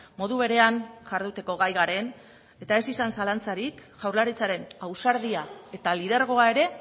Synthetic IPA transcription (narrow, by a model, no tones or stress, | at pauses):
mo̞ðuβe̞ɾe̞anʝaɾðut̪e̞ko̞ɣajɣaɾe̞n | e̞t̪ae̞sisansalant͡saɾikʝawɾlaɾit͡saɾe̞nawsaɾðiae̞t̪alið̞e̞ɾɣ̞o̞ae̞ɾe̞